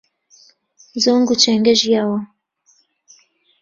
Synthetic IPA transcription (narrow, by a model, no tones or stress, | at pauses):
zoːŋɡut͡ʃɛŋɡɛʒijaːwɐ